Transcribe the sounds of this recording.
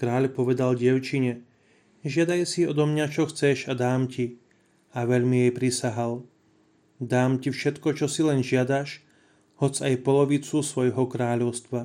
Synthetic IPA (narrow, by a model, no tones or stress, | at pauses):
kɾaːʎpɔʋɛd̪alɟɪɛʊt͡ʃiɲɛ | ʒɪad̪ajsiɔd̪ɔmɲat͡ʃɔxt͡sɛʃad̪aːmci | aʋɛʎmijɛjpɾisaɦal | d̪aːmcifʃɛt̪kɔt͡ʃɔsilɛnʒɪad̪aʃ | hɔt͡sajpɔlɔʋit͡susʋɔjɦɔkɾaːʎɔʊst̪ʋa